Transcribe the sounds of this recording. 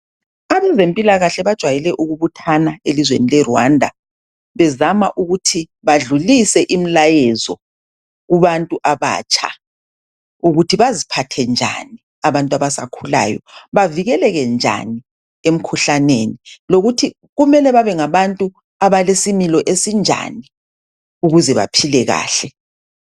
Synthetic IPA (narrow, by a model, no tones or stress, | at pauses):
aβɛzempʼilaɣaɬɛβad̥ʒ̥ʱwajɛlɛʔuɣuβutʰanaelizwḛnilɛrwa̰ndʱa̰ | βɛzamaʔuɣutʰi | βaɮulisɛʔim̩lajɛzɔ | ɣuβantʼuʔaβa̰ːt͡ʃʼʰa̰ | uɣutʰiβazipʰatʰɛnd͡ʒʱa̰ni | aβantʼwaβasa̰kʰula̰ːjɔ̰βaviɣɛlɛɣɛnd͡ʒʱa̰ni | em̩kʰuɬaneniloɣutʰi | ɣumɛlɛβaβɛŋaβantʼu | aβalesimilɔʔesind͡ʒʱa̰ni | uɣuzɛβa̰pʰilɛɣa̰ːɬɛ